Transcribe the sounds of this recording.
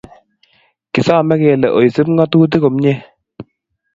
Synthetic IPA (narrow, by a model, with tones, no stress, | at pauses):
kɪ˨saː˦˨mɛ˦kɛ˨lɛ˨ʔo˨jsɨ˦pŋɡɔ˦tuː˦t̬ɪ˦ko˨mɲɛ˦